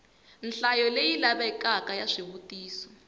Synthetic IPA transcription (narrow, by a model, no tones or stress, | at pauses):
nɬajɔlejilaβɛkakajaʂiɦutiːsɔ̥